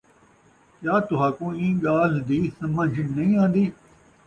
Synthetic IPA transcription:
kjaːt̪ʊɦaːkũːĩːɡaːld̪iːsəməd͡ʒʱnəĩːãːnd̪iː

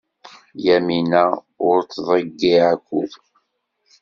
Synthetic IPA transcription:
jæminæ | ʊɾt͡sːðˤəɡːiakʷːʊð

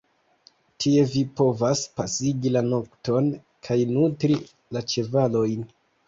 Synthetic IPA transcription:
tʰie̞vipo̞vaspasiɡilano̞kto̞n | kʰajnutɾi | lat͡ʃe̞valo̞jn

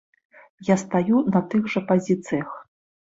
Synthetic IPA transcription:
jast̪ajunɐt̪ɨɣʐɐpazʲit̪sɨjɐx

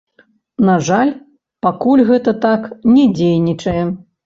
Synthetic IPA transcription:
naʐalʲ | pakulʲɣɛt̪ɐt̪aknʲɛd͡zʲejnʲit͡ʂɐjɛ

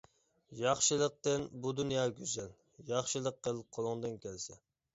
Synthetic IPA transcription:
jɑχʃɨlˠəq̚t̪ɨnbud̪unjɑːɡʲyzɛl | jɑχʃɨlˠəqːəlˠqʰolˠʊŋd̪ɨnkʲʰɛlsɛ

